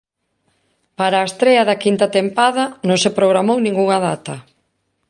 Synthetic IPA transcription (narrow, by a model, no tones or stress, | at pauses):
paɾaːest̪ɾeɐðɐkint̪ɐt̪empaðɐnõŋsepɾoɣɾamownĩŋɡuŋaðat̪ɐ